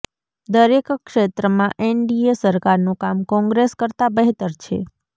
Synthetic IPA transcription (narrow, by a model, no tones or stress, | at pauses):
d̪əɾekkːʃet̪ɾəmãʔeɳɖiesəɾkaɾnũkamkɔ̃ŋɡɾeskəɾt̪abəɦt̪əɾt͡ʃʰḛ